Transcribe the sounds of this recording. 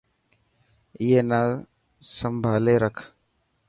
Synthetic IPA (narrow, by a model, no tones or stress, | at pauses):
ɪjeːnaː | səmbʱaːleːɾəkʰ